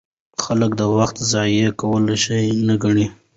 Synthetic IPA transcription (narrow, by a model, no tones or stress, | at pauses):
xaləkd̪əwaxt̪zɑjekawəloʃajnaɡaɳi